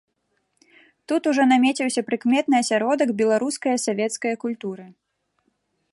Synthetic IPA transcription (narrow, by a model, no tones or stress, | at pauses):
t̪ut̪uʐɔnamʲet͡sʲiwsʲɐpɾɨkmʲɛt̪̚nɨɐsʲaɾɔd̪ɐɡbʲɛlˠaɾuskɐjɐsavʲɛt̪skɐjɐkulʲt̪uɾɨ